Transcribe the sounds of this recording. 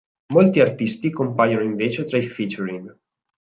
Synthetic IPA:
molt̪iart̪ist̪ikompaːjonoiɱveːt͡ʃet̪ɾaifit͡ʃuɾiŋɡ

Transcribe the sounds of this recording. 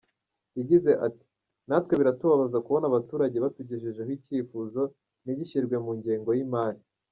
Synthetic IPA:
jiɟize̞ʔati̥ | natwe̞βiɾatuβaβazakuβo̞naβatuːɾaɟe̞βatuɟeʒeʒehwiciːfuːzo̞ | niβiçiɾɡwe̞muɲɟiːŋɡo̞jimaːɾi

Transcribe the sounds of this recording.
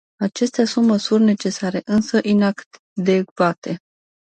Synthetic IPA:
at͡ʃe̞st̪easunt̪məsurʲne̞t͡ʃe̞saɾe̞ʔɨnsəʔinakt̪ | d̪eɡvat̪e̞

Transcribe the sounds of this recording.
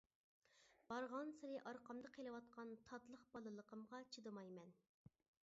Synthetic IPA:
b̥ɑɾʁɑnsɨɾɨʔɑɾqɑmd̪ɨqʰelˠɨwɑt̪̚qʰɑnt̪ʰɑt̪lˠəχb̥ɑlˠɨlˠəqʰəmʁɑt͡ʃʰid̪ɨmɑjmɛn

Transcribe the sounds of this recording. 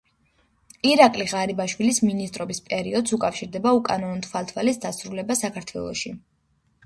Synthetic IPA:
iɾakʼliʁaɾibaʃwilisminist̪ʼɾɔbispʼɛɾiɔd̪sukʼafʃiɾd̪ɛbaukʼanɔnɔt̪ʰvalˠt̪ʰwalisd̪asɾulɛbasakʰaɾt̪ʰwɛ̰lˠɔ̰ʃi

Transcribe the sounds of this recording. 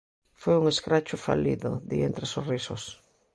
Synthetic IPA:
fojuŋeskɾat͡ʃʊfa̰lḭðʊðient̪ɾesorisʊs

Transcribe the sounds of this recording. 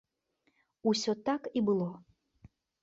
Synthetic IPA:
usʲɔt̪akibɨlˠɔ

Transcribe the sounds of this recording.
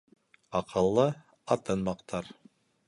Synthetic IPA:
ɑqʰɤ̆lˠːɤ | ɑt̪ɤnmɑqt̪ʰɑɾ

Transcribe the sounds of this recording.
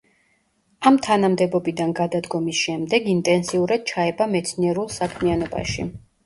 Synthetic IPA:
amt̪ʰanamd̪ɛbɔbid̪anɡad̪ad̪ɡɔmisʃɛmd̪ɛɡint̪ʼɛnsiuɾad̪̥̚t͡ʃʰaɛbamɛt̪sʰniɛɾulˠsakʰmianɔba̰ʃḭ

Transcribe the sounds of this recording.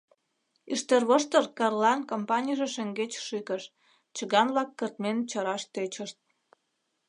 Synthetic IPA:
iʃt̪erβoʃt̪ərkɑrlɑnkompɑnʲijʒeʃə̆ŋɡet͡ɕʃykəʃ | t͡ɕəɣɑmβlɑkːərt̪ment͡ɕəɾɑʃt̪et͡ɕəʃt̪̚

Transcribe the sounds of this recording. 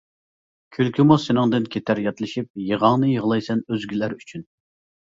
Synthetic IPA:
kʲʰylkʲʰymusenɨŋd̪ɨnkʲʰet̪ʰæɾjɑt̪lɪʃip̚jeʁɑŋnɨjəʁlˠɑjsɛnøzɡʲilæɾyt͡ʃʰyn

